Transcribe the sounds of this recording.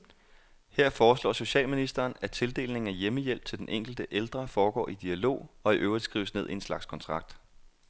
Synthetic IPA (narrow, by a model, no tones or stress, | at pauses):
heɐ̰fɒːslɒ̰ːso̝ɕɛ̰ːlminisd̥ɐːnæt͡sʰe̝ld̥e̝̰ːlne̝ŋ̩æjeməjel̰b̥̚t͡sʰe̝ld̥enʔeŋ̰ɡ̥l̩d̥əʔeld̥ʁɐfɒːɡ̥ɒ̰ːʔid̥iælo̝̰ːɒ̽iʔøːʊʁi̥sɡ̥ʁḭːʊəsne̝ð̞̰ˠienslɑ̈ɡ̥skʰɒ̽nt͡sʰʁɑ̈ɡ̥̚d̥